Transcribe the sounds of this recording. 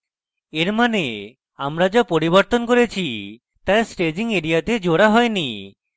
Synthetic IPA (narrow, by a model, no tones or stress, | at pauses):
eɾmane | amɾad͡ʒɔpoɾiβɔɾt̪ɔnkoɾet͡ʃʰi | t̪ajsʈed͡ʒiŋeɾijat̪ed͡ʒoɽaɦɔjni